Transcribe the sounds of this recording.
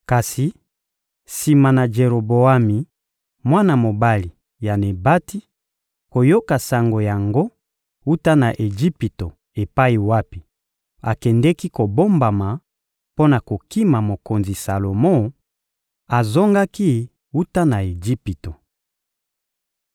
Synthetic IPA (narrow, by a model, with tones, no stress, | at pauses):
ka˨si˨ | si˨ma˨na˨d͡ʒe˨ɾo˨bo˨a˦mi˨ | mwa˦na˨mo˨ba˦li˨ | ja˨ne˨ba˦ti˦ | ko˨jo˦ka˨sa˨ŋɡo˨ja˨ŋɡo˦ | u˦ta˦na˨ʔe˨d͡ʒi˦pi˨to˨ | e˨pa˦i˨wa˦pi˨ | a˨kɛ˨ndɛ˦ki˦ko˨bo˦mba˨ma˨ | po˦na˨ko˨ki˦ma˨mo˨ko˨nzi˨sa˨lo˨mo˦ | a˨zo˦ŋɡa˦ki˦ | u˦ta˦na˨e˨d͡ʒi˦pi˨to˨